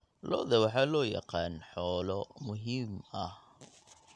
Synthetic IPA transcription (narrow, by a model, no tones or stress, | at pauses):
lɔ̰ðɐwɑħɑːlɔːjɑ̰qɑːnħɔːlɔmʊɦiːmɐh